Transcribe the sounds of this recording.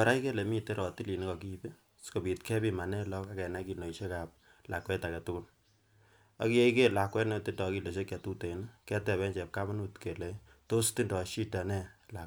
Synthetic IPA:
a˨ɾa˦i˦ke˦le˨mi˦te˦ɾɔ˨ti˦li˨ni˦kɔ˨ki˦be˦ | sko˨bi˨tkʰɛ˦pi˦ma˨nɛ˦lɔ˦ka˦kɛ˨na˦ki˨no˨i˨ʃe˦ka˨p̚ | la̰˨kwɛ˦ta˨kɛ˨tʊ˦kʊ˦l | a˦ki˦e˦i˦ke˦la˨kwɛ˦no˦ti˦ndɔ˨ki˦˨lo˨ʃe˦kɛ˨tu˦te˨n˦kɛ˦tɛ˨βɛ˦ɲt͡ʃɛ˨p̚ka˦ma˦nu˦tke˨le˨ | to˦sti˦ndɔ˨ʃi˦ta˨nɛ˦la˨

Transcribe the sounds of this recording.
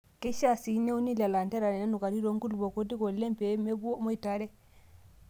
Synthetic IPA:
kɛ˦ʃa˦si˨ne˦wni˦la˨la˨ntɛ˦ɾa˨nɛ˨na˦nu˨ka˨ɾi˦ɾo˨ŋɡu˦lbo˨ko˦di˦ɡɔ˨lɛ˦mpɛme˦bu˦o˦mɔ˦jtaɾɛ˦

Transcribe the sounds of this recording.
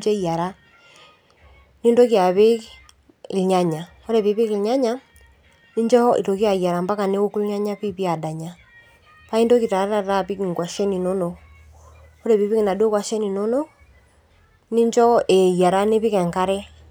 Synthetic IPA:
d͡ʒɛ˦ia˨ɾa˦ | ni˦ndo˦kja˨βe˦ | lɲa˦ɲa˨ | ɔ˦ɾɛ˨βi˦βe˦klɲa˦ɲa˦ | ni˦ɲd͡ʒɔ˦ḭ˨ɾo˨ki˦a˨i˨a˨ɾa˨mba˦ka˨ne˦o˦ku˦lɲa˦ɲa˦pi˦pi˦a˨da˨ɲa˨ | pa˦i˦ndo˦ki˨ta˨ɾa˦ɾa˦˨ɾa˦pi˦ki˨ŋɡwa˨ʃɛ˦ni˨nɔ˦nɔ˨ | o˦ɾɛ˨βi˦βi˦ki˨na˨do˦kwa˨ʃɛ˦ni˨nɔ˦nɔ˦ | ni˦nd͡ʒɔ˦e˨ja˨ɾa˦ne˦βi˦kɛ˨ŋka˦ɾɛ˦

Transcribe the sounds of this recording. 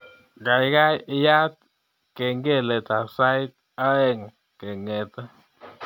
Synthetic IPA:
ɡa˨jɡa˦ji˧ja˦t̪̚ | ke˨ŋɡe˦le˨t̪a˨sa˦jt̪̚ | a˦e˦ŋ | ke˨ŋe˨t̪a˦

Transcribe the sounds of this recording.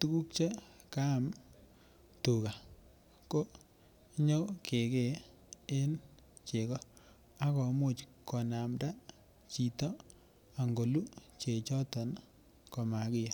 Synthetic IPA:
tu˦ku˦k̚t͡ʃe˦ | ka˦˨m | tu˨ka˨ | ko˦ | ɲo˦kʰe˨ke˨ | e˦n | t͡ʃe˨kɔ˦ | a˦kɔ˨mo˦t͡ʃkːɔ˨na˨mda˦ | t͡ʃi˨tɔ˦ | a˨ŋɡo˨lu˦t͡ʃe˨t͡ʃɔ˦tɔ˨n | kɔ˨ma˨kɪ˦ja˨

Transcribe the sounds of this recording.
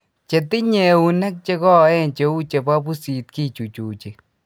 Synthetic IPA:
t͡ʃe˨tɪ˦ɲɛ˨u˨nɛ˦k̚t͡ʃe˦kɔ˦˨ɛ˦˨nt͡ʃe˨u˦t͡ʃe˨ba˦bu˦si˨t̚ki˦t͡ʃu˨t͡ʃu˨t͡ʃe˨

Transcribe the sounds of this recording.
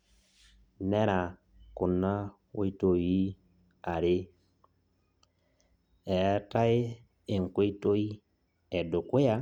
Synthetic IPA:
nɛ˦ɾa˨ | kʊ˨na˦ | we˦i˦to˨ji˦ | a˨ɾɪ˦ | ɛ˨˦ta˦e˦ | e˨ŋ̩˨ke˦i˦to˦i˦ | ɛ˨dʊ˨kwe˦a˦

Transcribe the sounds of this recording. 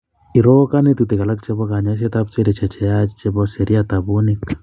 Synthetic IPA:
i˨ɾo˦ka˦ne˦tute˨ka˨la˦kt͡ʃe˦βɔ˦ka˨ɲa˦ʃ̬e˦ta˦p̚t͡ʃe˦ɾe˨t͡ʃɛ˨t͡ʃɛ˨ja˦t͡ʃe˦βɔ˦se˨ɾi˦a˦ta˨βuni˦k

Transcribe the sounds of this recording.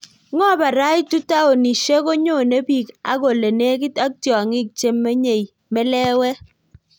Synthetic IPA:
ŋɔ˦˨ba˨ɾa˦jtu˦ta˦o˨ni˨ʃe˦ko˦ɲo˦˨ne˦bi˦˨ka̰˦ɡo˨le˨ne˦k̬i˦ta˦k̚tjɔ˨ŋɪ˦k̚t͡ʃe˦mːe˦ɲe˨j | mɛ˦lɛ˦wɛ˦

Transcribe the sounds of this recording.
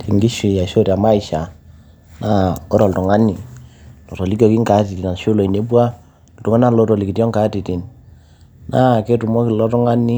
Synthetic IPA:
ti˨ŋɡi˦ʃi˨ja˨ʃo˦ta˨ma˦i˨ʃa˨ | na˦ɔ˦ɾɔ˨lu˨ŋa˦ni˨lɔ˨tɔ˨li˦kɔ˨ki˦ŋka˨˦ti˨ti˨na˨n˨ʃo˦lo˨i˨ne˨˦bwa˦˨ | tu˨ŋa˦na˦lɔ˦tɔ˨li˨ki˨tjɔ˦ŋka˨˦ti˨ti˨n | na˦˨ke˦tu˨mɔ˦ki˨lɔ˦tɔ˦ŋa˦ni˦

